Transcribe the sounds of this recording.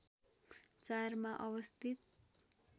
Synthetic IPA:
t͡sarmaʔʌwʌst̪ʰit̪̚

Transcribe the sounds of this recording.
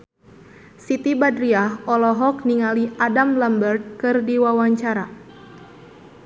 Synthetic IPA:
sit̪ibadɾiaɦɔlɔɦɔk̚niŋaliʔadamlambərt̪̚kɨrdiwawaɲt͡ʃaɾa

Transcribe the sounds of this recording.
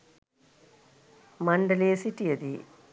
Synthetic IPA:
mɐɳɖɐleːsiʈːijɐd̪i

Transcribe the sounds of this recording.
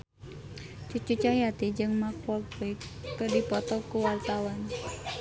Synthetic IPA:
t͡ʃut͡ʃut͡ʃahjat̪id͡ʒɨŋmak̚wɔlbɛkːədipɔt̪ɔkuwart̪awan

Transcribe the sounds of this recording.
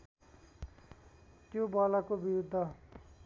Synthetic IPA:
t̪jobʌlakobiɾud̪ʱːʌ

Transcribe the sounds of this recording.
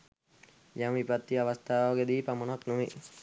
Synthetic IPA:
jamʋipat̪ːiaʋast̪aːʋaɡed̪iːpamonɦaknoʋe

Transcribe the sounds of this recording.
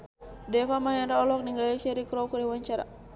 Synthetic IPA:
dɛfamajanraɔlɔk̚niŋɡalisɛɾikɾɔkuɾɛwaɲt͡ʃaɾa̰

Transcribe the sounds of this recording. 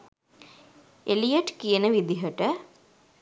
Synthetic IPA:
elijɐʈkijɐnɨʋid̪iɦɐʈːɨ

